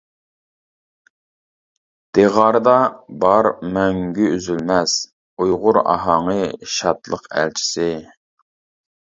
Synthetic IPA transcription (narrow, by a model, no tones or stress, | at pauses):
d̪̥eʁɑɾɨd̪ɑbɑɾmɛŋɡʲyyzylmɛs | ujʁʊɾɑ̰ɦɑɴəʃɑt̪lˠəqæ̰lt͡ʃʰi̥sɪ